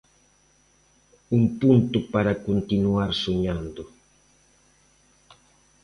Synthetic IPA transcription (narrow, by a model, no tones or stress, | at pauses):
umpunt̪ʊpaɾakont̪inuaɾsoɲãnd̪ʊ